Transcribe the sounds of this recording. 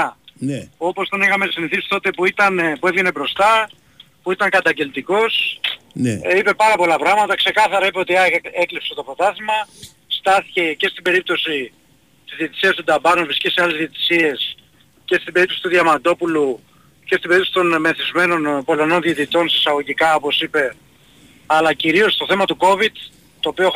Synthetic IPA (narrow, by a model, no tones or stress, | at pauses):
o̞po̞st̪onixɐmesiniθisi̥t̪o̞t̪e̞puit̪ɐnpue̞vʝene̞bɾo̞st̪ɐ | puit̪ɐŋkɐt̪ɐɲɟe̞lt̪iko̞s | nipe̞pɐɾɐpo̞lɐpɾɐɣmɐt̪ɐkse̞kɐθɐɾɐipeo̞t̪iɐeklipset̪ofot̪ɐsimɐ | st̪ɐθi̥ce̞ce̞st̪ibe̞ɾip̚t̪o̞si | t̪izðiet̪i̥siɐst̪ud̪ɐbɐnuevɾisceseɐle̞zðio̞t̪i̥sie̞s | ce̞st̪imbeipt̪o̞si̥t̪uðiɐmɐnd̪o̞pulu | ce̞st̪imbe̞ɾipt̪osit̪o̞nme̞θizme̞no̞npo̞lono̞nðiet̪it̪o̞nsi̥sɐɣo̞ʝikɐo̞po̞sipe̞ | ɐlɐciɾio̞st̪o̞θe̞mɐt̪uko̞vid̪ | t̪o̞ːpio